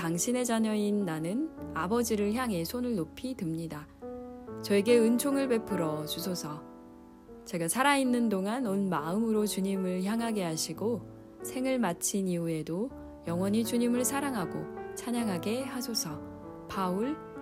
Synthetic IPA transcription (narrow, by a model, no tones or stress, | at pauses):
taŋɕʰine̞d͡ʑaɲʌinːanɯnabʌd͡ʑiɾɯɭçjaŋɦe̞sʰonɯɭnopʰitɯmɲida | t͡ɕʌeɡe̞ɯnt͡ɕʰoŋɯɭpe̞pʰɯɾʌt͡ɕusʰosʰʌ | t͡ɕe̞ɡasʰaɾainːɯndoŋanonmaɯmɯɾot͡ɕuɲimɯɭçjaŋɦaɡe̞ɦaɕʰiɡo | sʰe̞ŋɯɭmat͡ɕʰiniue̞do | jʌŋwʌɲit͡ɕuɲimɯɭsʰaɾaŋɦaɡot͡ɕʰaɲaŋɦaɡe̞hasʰosʰʌ | pauɭ